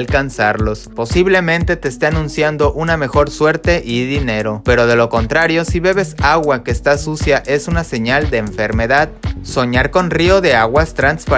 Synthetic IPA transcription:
lkansaɾlo̞spo̞siβle̞mẽ̞nt̪e̞t̪e̞ːst̪eanũnsjand̪o̞ʔuname̞xo̞ɾswe̞ɾt̪e̞ʔiðine̞ɾo̞pe̞ɾo̞ð̞e̞lo̞ko̞nt̪ɾaɾjo̞siβe̞β̞e̞saɣwake̞ːst̪asusjaʔe̞sunase̞ɲald̪e̞ːɱfe̞ɾme̞ðaðso̞ɲaɾko̞nrio̞ðe̞aɣwast̪ɾanspa

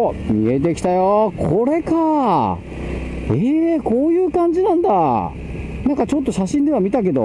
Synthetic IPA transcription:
mʲḭe̞t̪̬e̞kʲi̥t̪ajokʰo̞ɾe̞ka | eko̞ːjɯ̟ːkãɲ̟d͡ʑinãnd̪a | nãŋkat͡ɕo̞t̪ːo̞ɕaɕĩnd̪e̞β̞amʲit̪ak̬e̞d̪o̞̰

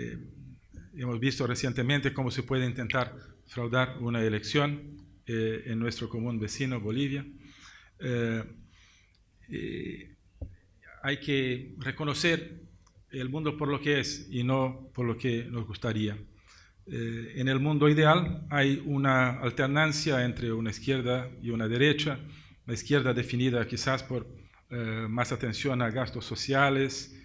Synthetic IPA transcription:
ḛ | emozβist̪oresjent̪emẽnt̪ekomosepweðeint̪ent̪aɾfɾawðaɾunaeleksjon | enːwest̪ɾokomũnbesinoβoliβja | ḛ | ajkerekonoseɾ | elmũnd̪opoɾlokeesinopoɾlokenozɣust̪aɾia | enelmũnd̪oiðealajunaa̰lt̪eɾnansjaent̪ɾeunaiskjeɾðaiunaðeɾet͡ʃa | unaiskjeɾðad̪efiniðakisaspoɾ | masat̪ensjonaɣast̪osːosjales

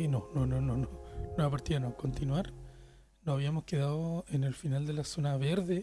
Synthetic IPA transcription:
nonononononoapaɾt̪ianoko̞nt̪inwaɾ | nosaβiamo̞ske̞ðaðoene̞lfinald̪e̞laso̞naβeɾðe

